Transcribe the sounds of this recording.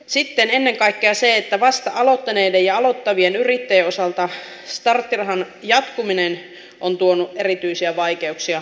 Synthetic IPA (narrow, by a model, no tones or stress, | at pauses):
sit̪ːenenːeŋkɑikːeɑseet̪ːæʋɑst̪ɑʔɑlo̞t̪ːɑne̞idejɑɑlo̞t̪ːɑʋienyrit̪ːeeosɑlt̪ɑ | st̪ɑrt̪ːirɦɑn | jɑt̪kuminen | ʔont̪uonuʔʔerit̪yisiæʋɑike̞uksiɑ